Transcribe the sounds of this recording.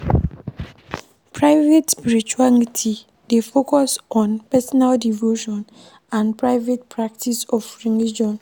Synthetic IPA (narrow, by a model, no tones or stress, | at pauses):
pʰɹaɪvetspiɹit͡ʃualitʰi | defokɔsɔ̃npɛsɔnaldivoʃɔ̃n | ãnpɹaɪvet̚pʰɹak̚tʰisɔfɹilid͡ʒɔ̃n